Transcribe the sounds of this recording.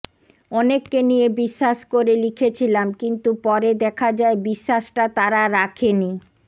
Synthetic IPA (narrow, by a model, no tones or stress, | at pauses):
ɔnekːenijebiʃːaʃkoɾelikʰet͡ɕʰilamkint̪upɔɾed̪ɛkʰad͡ʑaebiʃːaʃʈat̪aɾaɾakʰeni